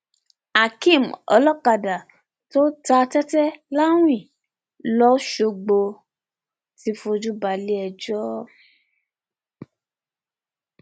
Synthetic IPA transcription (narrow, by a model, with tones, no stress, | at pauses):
a˨kĩ˦˨mɔ̰˧lɔ˦ka˨da˨ | to˦ta˧tɛ˦tɛ˦la˦w̃ĩ˦˨ | lɔ˦ʃo˧ɡ͡bo˧ | ti˧˦fo˧d͡ʒu˦ba˧˨li˦ɛ˧d͡ʒɔ˦